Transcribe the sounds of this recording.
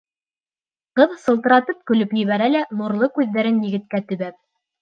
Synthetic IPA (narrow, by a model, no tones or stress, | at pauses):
qɤðsɤ̆lˠt̪ɤ̆ɾɑt̪ɤp̚kɵ̆lɵpjɘ̆βæɾælænuɾlˠɤkʉðːæɾɘnjɘ̆ɡɘ̆t̪̚kæt̪ɵ̆βæp̚